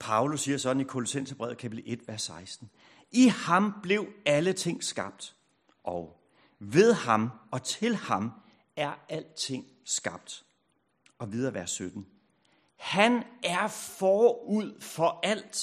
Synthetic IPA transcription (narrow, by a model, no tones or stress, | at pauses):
pʰɑ̈ʊlusːiːɐsɒ̽d̥n̩ikʰo̝lɔsen̰sɐb̥ʁɛ̰ːʊ̰kʰæpʰid̥l̩ˠe̝d̥ʋæɐsːɑ̈ɪsd̥n̩ | ihɑ̈mb̥le̝ʊælət͡sʰe̝ŋ̰sɡ̥ɑ̈b̥̚d̥ | ʔɒʊ | ʋe̝ð̞ˠhɑ̈mɒ̽t͡sʰe̝lhɑ̈m | æɐæl̰dt͡sʰe̝ŋ̰ | sɡ̥ɑ̈b̥̚d̥ | ɒ̽ʋið̞ˠɐʋæɐsːød̥n̩ | hænæɐfɒːuð̰ˠfɒ̽æl̰d̥